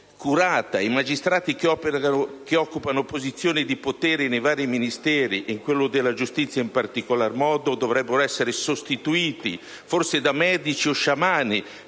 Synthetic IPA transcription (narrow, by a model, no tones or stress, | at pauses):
kuɾaːt̪aimad͡ʒist̪ɾaːt̪ikɔpakeɔkːupanopozit̪sːjoːnid̪ipot̪ɛːɾɪnejvaːɾiminist̪ɛːɾiʔiŋkwelːod̪elːad͡ʒust̪it̪sːjaimpart̪ikolarmɔːd̪od̪ovɾɛbːeɾoɛsːeɾesost̪it̪uiːt̪ḭ | forsed̪amɛːd̪it͡ʃioʃamaːni